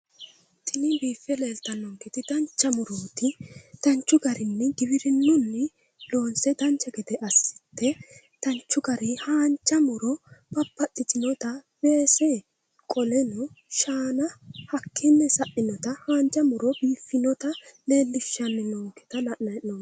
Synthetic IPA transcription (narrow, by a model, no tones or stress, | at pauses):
t̪ʰɪnɪbiːfːɛle̞ːlt̪ɐnːɔŋkɪt̪ɪd̪ɐnt͡ʃːɐmʊɾoːt̪ɪt̪ɐnt͡ʃːʊɡɐɾɪnːɪɡɪbɪɾɪnːʊnːɪ | lo̞ːnsɛd̪ɐnt͡ʃːɐɡɛd̪ɛʔɐsːɪ̥t̪ːɛ | t̪ɐnt͡ʃːʊɡɐɾɪhaːnt͡ʃːɐmʊɾɔbɐpːɐtːɪt̪ɪnɔt̪ɐb̥e̞ːsɛ | kʼɔlɛnɔʃaːnɐhɐkʰːɪnːɛsɐʔɪnɔt̪ɐhaːnt͡ʃʼːɐmʊɾɔbiːfːɪnɔt̪ɐle̞ːlːɪʃːɐnːɪnɔŋkːɪ̥t̪ɐnɐʔɐnɔ